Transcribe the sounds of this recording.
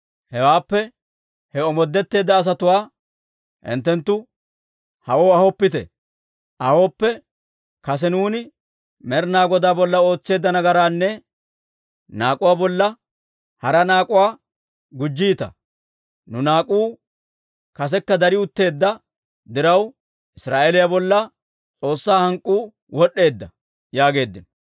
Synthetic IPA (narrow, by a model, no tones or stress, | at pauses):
hɛwaːpːɛ | hɛɔmɔd̪ːɛt̪ːe̞ːd̪ːɐːs̬ɐt̪ʊwaː | ʔɪ̰nt̪ːɛnt̪ːʊ | hɐʔo̞ːɐhɔpːɪt̪ɛ̰ | ʔɐho̞ːpːɛ | kɐs̬ɛnuːnɪ | mɛɾnaːɡɔd̪aːbɔlːɐo̞ːt͡sːe̞ːd̪ːɐnɐɡɐɾaːnːɛ | naːkʼʊwaːbɔlːɐ | hɐɾɐnaːkʼʊwaː | ɡʊd͡ʒːiːt̪ɐ̰ | nʊnaːkʼuː | kɐs̬ɛkːɐd̪ɐɾɪʊt̪ːe̞ːd̪ːɐ | d̪ɪɾɐw | ʔɪsɾaːʔeːlɪjabɔlːɐ | t͡sʼo̞ːsːaːhɐŋkʼːuː | wɔɗːe̞ːd̪ːɐ | jaːɡe̞ːd̪ːɪn